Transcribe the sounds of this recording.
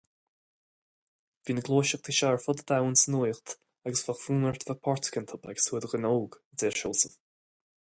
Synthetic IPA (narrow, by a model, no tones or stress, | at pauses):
viːnəɡlˠoːʃəx̚t̪ʰiʃaɹfɔd̪əd̪awənsənujxt̪ | aɡəsvaxfuːməɹt̪vapʰɔɹt̪ʰə̥kənt̪ʰɔba̰ɡə̥suːəd̪əɣənoːɡədɛːɹʃoːsəv